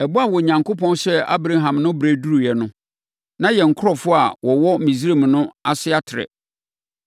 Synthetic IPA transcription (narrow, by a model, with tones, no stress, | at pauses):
ɛ˨bʊ˦a˨wɔ˨ɲã˨ŋkʰo˦pʰɔ̃˦nɕɛ˦a̰˦bɾa˦ɦã˨mnʊ̃˦bɾæ˨du˦ɾu˨jɛ˨nʊ̃˦ | nã˦jɛ˨ŋ̩˨kʰʊ˦ɾɔ˨fʊ˦a˨wɔ˨wɔ˦m˦mĩ˨s̬ɾe˦˨m˨nʊ̃˦a˨sɪ˦a˦tʰɪ˨ɾɛ̰˨